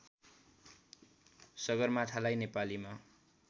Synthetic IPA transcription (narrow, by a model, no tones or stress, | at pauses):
sʌɡʌrmat̪ʰalajnepalima